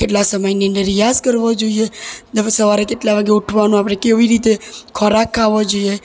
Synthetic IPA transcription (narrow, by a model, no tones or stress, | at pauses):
keʈlasəməjniəndəɾijaskəɾʋod͡ʒoied̪əsəʋaɾekeʈlaʋaɡeuʈʰʋanũapɽ̃ekeʋiɾit̪ekʰɔɾakʰːaʋod͡ʒoie